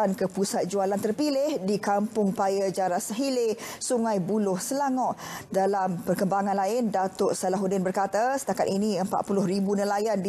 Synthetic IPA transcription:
ankəpusat̪̚d͡ʒualant̪ərpilɪhdikampʊŋpajad͡ʒaɾahsəɦilesuŋãjbulʊhsəlaŋɔʔdalampərkəmbaŋãnlaɪndat̪ʊʔsalaɦudɪnbərkat̪asə̥t̪akat̪̚iniəmpa̰ʔpulʊhribunəlajand

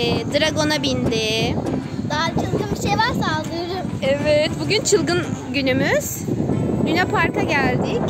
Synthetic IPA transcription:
d̪ɯɾaɡo̞nabind̪ɪ | d̪aːd̪t͡ʃʰɯlˠɡɯnbiʃejvaɾsalˠlˠɯjoɾʊmevɛt̪buɟynt͡ʃʰɯlˠɡɯnɟynymyz̥ɟynɛpʰaɾkaɟælʲd̪ɪ

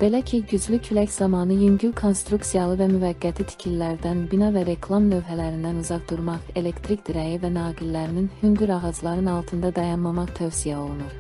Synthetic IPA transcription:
b̥e̞læcʰiɟyd͡ʒlycʰylæçz̥ɑmɑnɯjymɟylkʰo̞nst̪ɾuksijɑlˠɯvæmyvæɡːæt̪ʰit̪ʰi̥cʰilːæɾd̪ænbinɑvæɾe̞kʰlˠɑmnø̞vɦælæɾind̪ænuzɑʁd̪̥uɾmɑʁe̞le̞kt̪ʰɾicd̪iɾæjivænɑːɡilːæɾininhynɡ̪yɾɑʁɑzlˠɑɾɯnɑlˠt̪ʰɯnd̪ɑd̪ɑjɑnmɑmɑʁt̪ʰævsijæo̞lˠunuɾ

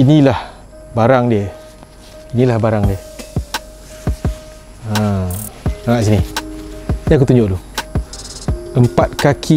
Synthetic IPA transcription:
inilah | baɾaŋdiə | inĩlahbaɾaŋdiə | a | maŋaʔs̬inih | niak̬ut̪uɲd͡ʒoʔdu | əmpat̪̚kakʰi

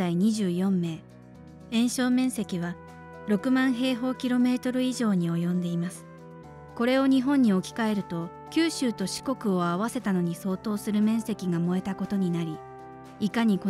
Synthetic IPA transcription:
aiɲ̟iʑɨːjõ̞mːe̞ː | ẽ̞ɰ̃ɕo̞ːmẽ̞ɰ̃se̞kʲiβ̞a | ɾo̞kɯ̟mãɰ̃ɦe̞ːɦo̞ːkʲiɾo̞me̞ːt̪o̞ɾɯ̟iʑo̞ːɲ̟io̞jõ̞nd̪e̞imasɨ̥ | ko̞ɾe̞o̞ɲ̟iɦõ̞ɲ̟ːio̞kʲi̥kae̞ɾɯ̟t̪o̞ | kʲɨːɕɨːt̪o̞ɕi̥ko̞kɯ̟o̞aβase̞t̪ano̞ɲ̟iso̞ːt̪o̞ːsɨɾɯ̟mẽ̞ɰ̃se̞kʲiɡamo̞e̞t̪ako̞t̪o̞ɲ̟inaɾʲi | ikaɲ̟iko

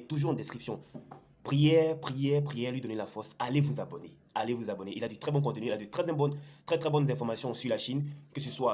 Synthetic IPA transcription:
t̪uʒuʁɑ̃d̪ɛskχipsjɔ̃ | pχijɛʁpχijɛʁpχijɛʁlɥid̪ɔnelafɔʁsalevuzabɔnḛ | alevuzabɔneʔilad̪yt̪χɛbɔ̃kɔ̃t̪ənyilad̪ət̪χɛɛ̃bɔnt̪χɛt̪χɛbɔnzɛ̃fɔʁmasjɔ̃syʁlaʃinkəsəswa

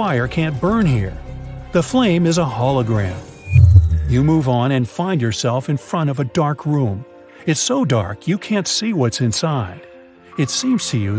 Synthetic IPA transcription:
aɪə˞kʰæ̃nb̥ɜ̃˞nhḭɹðɨflẽɪ̃mɨzəhɑlˠəɡɹæ̃m | jɨmuvn̩ɨ̃nfãɪ̃nd͡ʒjə˞sɛlˠfɨ̃nfɹʌ̃ɾ̃ʌvɨdɑɹkʰɹũm | ɨtsoʊdɑ̰ɹkʰjɨkʰæ̃ntsiwʌtsɨ̃nsaɪɾ̥ | ɨtsĩmz̥tʰɨjɨ

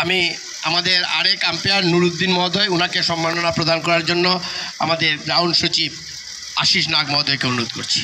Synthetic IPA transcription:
ami | a̰mad̪eɾa̰ɾekampeaɾnuɾud̪ːinmɔɦd̪ɔeunakeʃɔmːanonapɾod̪ʱankɔɾaɾd͡ʑonːoa̰mad̪eɾɡɾawnʃot͡ɕib | aʃiʃ̬naɡmɔɦd̪ɔjkeonuɾut̪ko̰ɾt͡ɕʰi̥

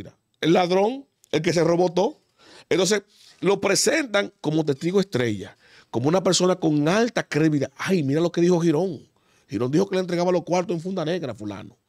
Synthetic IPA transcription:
ɾa | elːaðɾo̞ŋ | e̞lke̞s̬ero̞βo̞t̪o̞ | ent̪onses | lo̞pɾe̞se̞nt̪aŋko̞mo̞t̪e̞st̪iɣoe̞st̪ɾe̞ʝa̰ | komounape̞ɾso̞nako̞ŋalt̪akɾeβiðaajmiɾalo̞ke̞ðihohiɾo̞ŋ | hiɾo̞nd̪iho̞ke̞le̞nt̪ɾeɣaβalo̞kwaɾt̪oeɱfund̪ane̞ɣɾafula̰no

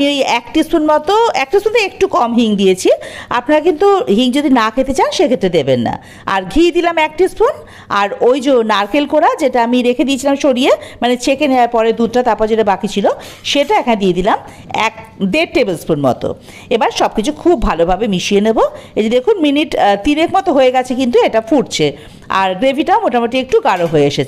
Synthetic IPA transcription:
iejɛkʈispʰunmɔt̪oɛk̚ʈispunt̪eek̚ʈukɔmɦiŋd̪ijet͡ɕʰia̰pnaɾakint̪uɦiŋd͡ʑod̪ʱinakʰet̪et͡ɕaeʃekʰet̪ːɾed̪ebenːa̰ | a̰ɾɡʱid̪ilamɛk̚ʈispʰun | a̰ɾojd͡ʑonaɾkʰelkoɾad͡ʑeʈaamiɾekʰed̪iet͡ɕʰilamʃoɾiemanet͡ɕekeneaɾpɔɾed̪ud̪ʈat̪apɔd͡ʑoɾebakit͡ɕʰilo | ʃeʈaekʰaned̪ied̪ilam | ɛ̰k̚ | d̪eɾʈebelspʰunmɔ̰t̪o̰ | ebaɾʃɔb̚kit͡ɕʰukʰubːʱalobʱabemiʃieneboed͡ʑed̪ekʰunminiʈt̪inekmɔt̪oɦoeɡɛt͡ɕʰekint̪ueʈafuɾt͡ɕʰe | a̰ɾɡɾebʱiʈaomoʈamoʈ̪iek̚ʈuɡaɽoɦoeeʃet͡ɕʰe

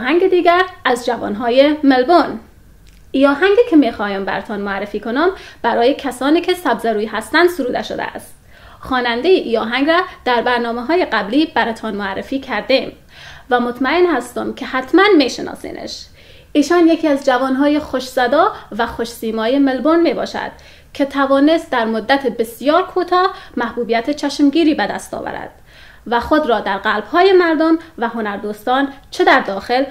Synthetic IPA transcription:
ɦæŋɡed̪iːɡæɾæzd͡ʒævɒ̰ːnɦɒːjemelbon | iːɒːɦæŋɡiːkʰemixɒːjæmbæ̰ɾet̪ʰɒːnmoærːefiːkʰonɒːmb̥æɾɒːjekʰæsɒːniːkʰesæbzeɾuːjɦæst̪ænd̪suɾuːd̪æ̰ʃod̪ḛæ̰st̪ | xɒːnænd̪ejiʔiɒːɦæŋɡɾæd̪̥æɾbæɾnɒːmeɦɒːjeɢæbliːb̥æɾet̪ʰɒnmoærːefiːkʰæɾd̪iːm | væmot̪ʰmæenhæst̪omkʲʰehæt̪ʰmænmiʃḛnɒ̰ːsḭːnʔḛʃ | ʔiːʃɒːnjekʰiːæzd͡ʒævɒːnɦɒːjexoʃz̥æd̪ɒːvæxoʃsiːmɒːjemelbonmiːbɒ̰ːʃæ̰d̪̥ | kʰe̞t̪ʰævɒːne̞st̪̚d̪æɾmod̪ːæt̪ʰebe̞sijɒːɾkʰot̪ʰɒːhmæhbuːbijæt̪ʰet͡ʃʰæʃmɡiːɾiːbed̪æ̰st̪ɒ̰ːvæ̰ɾæ̰d̪̥ | væxod̪ɾɒːd̪æɾɡælb̥hɒːjemæɾd̪omvæɦo̞næɾd̪oːst̪ɒːnt͡ʃʰe̞d̪æɾd̪ɒːxe̞l

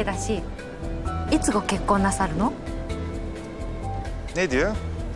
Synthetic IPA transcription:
ed̪aɕi | it͡sɨɡoke̞kːõ̞nːasaɾɯ̟no̞ | ned̪i

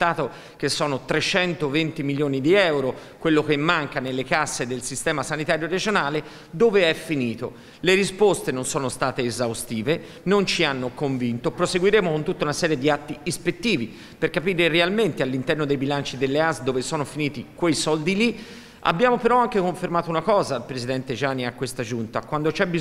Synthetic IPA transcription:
aːt̪o | k̟esːɔːnot̪ɾet͡ʃɛnt̪ovent̪imiljoːnid̪iɛwɾokwelːokemːaŋkanelːekasːed̪elsist̪ɛːmasanit̪aːɾjoɾed͡ʒonaːle | d̪oːveɛfːiniːt̪o | leɾispost̪enonsɔːnost̪aːt̪eːzawst̪iːve | nont͡ʃianːokoɱvint̪opɾoseɡwiɾeːmokont̪ut̪ːaunasɛːɾjed̪iat̪ːiispet̪ːiːvi | perkapiːɾerealment̪ealːint̪ɛrnod̪ejbilant͡ʃid̪elːeasd̪oːvesɔːnofiniːt̪ikwejsɔld̪ili | a̰bːjaːmopeɾɔaŋkekoɱfermaːt̪ounakɔːzailpɾezid̪ɛnt̪ed͡ʒaːniakːwest̪ad͡ʒunt̪akwand̪ot͡ʃɛbːi

